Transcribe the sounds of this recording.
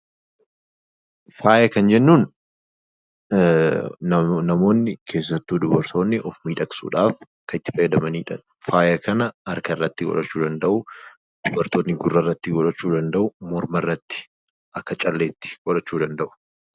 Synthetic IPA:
faːjɐkɐnd͡ʒɛnːuːn | nɐmo̞ːnːɪkʰe̞ːs̬ːɐt̪ːuːd̪ʊbɐɾt̪ʰo̞ːnːɪʔɔfmiːᶑɐksṵːᶑaːf | kɐɪt̪ːɪ̥fɐjɐd̪ɐmɐniːᶑɐ | faːjɐkɐnɐɐɾkɐrːɐt̪ːɪɡɔ̰lɐt͡ʃːuːd̪ɐnd̪ɐʔʊ | d̪̥ʊbɐɾt̪oːnːɪɡʊrːɐrːɐt̪ːɪɡɔᶑɐt͡ʃːuːd̪ɐnd̪ɐʔʊmɔɾmɐrːɐt̪ːɪ̥ | ʔɐkːɐt͡ʃʼɐlːe̞ːt̪ːɪ̥ɡ̥ɔᶑɐt͡ʃːuːd̪ɐnd̪ɐʔʊ̥

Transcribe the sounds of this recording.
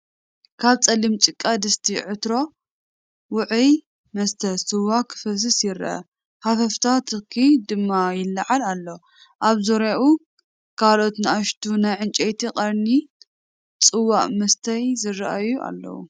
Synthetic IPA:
kʰaβt͡sʼɐlimt͡ʃʼɨkʼːad̪ɨst̪ʰiʕɨt̪ɾo̞ | wʊʕɨj | mɐst̪ʰɐsʼɨwakʰɨfɐs̬ɨsjɪɾʔɐ̰ | hafɐft̪ʰat̪ʰɨkʰid̪ɨmːajɪlːɐʕalalːo | ʔaβzoɾaʔu | kʰalo̞t̪nɨaʃt̪ʰunajʕɨnt͡ʃʼejt̪ʰiqʼɐɾni | t͡sʼɨwːaʔʼmɐst̪ʰɐjzɨraʔajuʔa̰lːɐ̰wṵ

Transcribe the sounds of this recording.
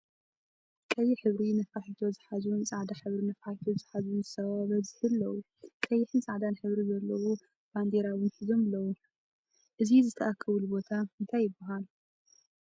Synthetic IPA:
kʼɐjːɪħɨβɾinɐfaħit̪ʰo̞zɨħaznsʼaʕd̪aħɨβɾinɐfaħit̪ʰozɨħazuwnzɨsʰɐaβɐzɨhɨlːɐwu | kʼɐjːɪħɨnt͡sʼaʕd̪anħɨβɾizɐlːɐwu | b̥and̪eɾawɨnħizo̞mɨlːɐwu | ʔɨzizɨt̪ʰɐʔakʰːɐβulbo̞t̪ʰaɨnt̪ʰajːɪbːɐɦal

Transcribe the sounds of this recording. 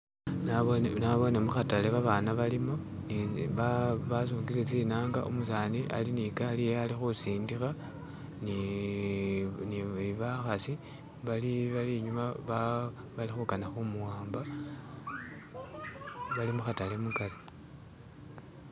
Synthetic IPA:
naβnaβo̞nemuxatale̞βaβanaβalimo̞ | niβaβas̬uːŋɡilet͡sinaːŋɡa̰ʔṵmusaːniʔa̰linikalijealixusiːndixa | ni | niliβaxasi | βaliβaliɲumaβa | βalixukanaxumuwaːmba | βalimuxatale̞mukali

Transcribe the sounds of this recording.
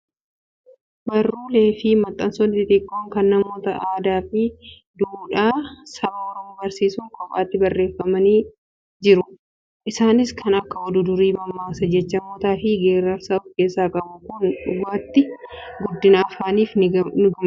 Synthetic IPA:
bɐrːuːle̞ːfɪmɐt̪ʼːɐnsonːɪt̪ɪt̪ʼɪkʼːoːŋkɐnːɐmo̞ːt̪ɐʔaːd̪aːfɪ | d̪uːᶑaːsɐbaɔɾɔmːbɐɾsiːsʊŋkɔkʼa̰ːt̪ːɪbɐrːeːfːɐmɐniː | d͡ʒɪɾʊ | ʔɪsaːnɪskʰɐnɐkːɐɔd̪ʊd̪ʊɾiːbɐmːaːsɐd͡ʒɛt͡ʃːɐmoːt̪aːfɪɡeːɾɐɾsaʊfke̞ːsːaːkʼɐbʊkʊnᶑʊɡaːt̪ːɪɡʊd̪ːɪnaːfaːniːfnʊɡɐm

